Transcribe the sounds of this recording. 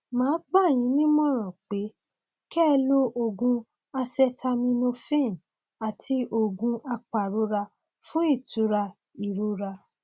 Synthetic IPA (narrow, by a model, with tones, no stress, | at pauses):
mãː˨˦ɡ͡ba˦˨j̃ĩ˨˦nĩ˦mɔ̃˦˨ɾ̃ɔ̃˨k͡pe˨˦ | kɛ˦˧lo˦ʔo˧˨ɡũ˧ | a˧sɛ˧tʰa˧mĩ˧nõ˧fẽ˦˨n | a˨tʰi˧˦ʔo˧˨ɡũ˧ʔa˧k͡pa˨ɾo˨˦ɾa˧ | fũ˦i˦˨tu˨˦ɾa˧ | i˨ɾu˨˦ɾa˧